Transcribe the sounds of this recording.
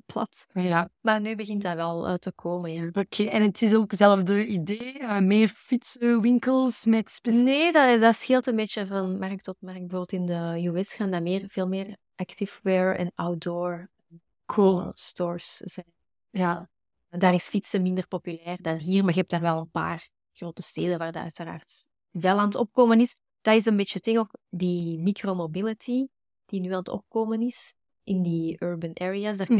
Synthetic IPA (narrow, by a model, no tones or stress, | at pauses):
plɑ̰tjamarnyːbəɣɪntdaːʋɛlˠə̰təkʰoːmənjaokʰeɛnətɪsoːkzɛləfdəideːəmeːrfitsəwɪŋkəlˠsmɛtspeneːddɑsxɪlˠtənbeːt͡ʃəvɑnmɛrk̚tɔtmɛrk̚bəvoːbɪlˠtɪndəjuɛsxaːndaːmɪːrv̥eːlˠmɪːr | ʔaktɪfwɛɹɛ̰nʔawdɔːɹən | kʰstɔːɹszɛn | ja | daːrɪsfitsəmɪndərpopylɛːrdaɦiːrmarɣəɛp̚taːrʋɛlˠənpa̰ːr | ɣroːtəsteːdənʋaːrdaœ̰ɥtəra̰ːrt | vɛlɑntɔp̚koːmənɪs | d̥atɪs̬ənbeːt͡ʃətɪɣoːkdimikromobɪlətʰi | d̥inylɑntɔ̰p̚koːmənɪs | ʔɪndiøːɹbənʔɛːɹiasdaːr